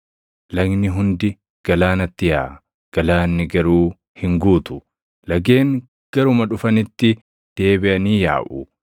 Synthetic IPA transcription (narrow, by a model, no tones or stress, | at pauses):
lɐɡnɪɦʊnd̪ɪ | ɡ̥ɐlaːnɐt̪ːɪjaː | ɡ̥ɐlaːnːɪɡɐɾuː | hɪŋɡuːt̪ʊ̥ | lɐɡe̞ːŋ | ɡ̥ɐɾʊmɐᶑʊfɐnɪt̪ːɪ | d̪̥e̞ːbɪʔɐniːja̰ːʔʊ